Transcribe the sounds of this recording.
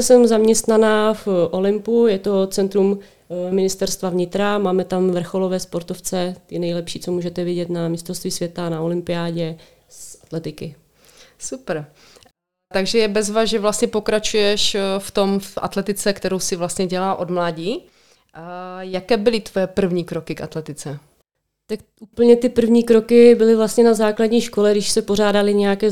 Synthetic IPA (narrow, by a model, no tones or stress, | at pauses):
sɛmzamɲɛst̪nanaːfʔo̞lɪmpujɛt̪o̞t͡sɛnt̪ɾum | mɪnɪst̪ɛɾst̪vavɲɪt̪ɾamaːmɛt̪amvr̩xolovɛːspo̞ɾt̪oft͡sɛt̪ɪnɛjlɛpʃiːt͡somuːʒɛt̪ɛvɪɟɛt̪namɪst̪ɾost̪viːsvjɛt̪anaolɪmpɪjaːɟɛ | sʔat̪lɛt̪ɪkɪ | supɾ | t̪aɡʒɛjɛbɛzvaːzʒɛvlast̪ɲɛpo̞kɾat͡ʃujɛʃft̪omfʔa̰t̪lɛt̪ɪt͡sɛkt̪ɛɾowsɪvlast̪ɲɛɟɛlaːʔod̪mlaːɟiː | jakɛːbɪlɪt̪vojɛpr̩vɲiːkɾokɪkʔat̪lɛt̪ɪt͡sɛ | t̪akʔuːpl̩ɲɛt̪ɪpr̩vɲiːkɾokɪbɪlɪvlast̪ɲɛnazaːkladɟɲiːʃko̞lɛɡdɪʃsɛpoɾ̝aːdalɪɲɛjakɛː